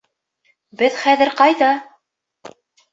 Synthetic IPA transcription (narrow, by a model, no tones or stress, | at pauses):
bɘðχæðɘ̆ɾqɑjðɑ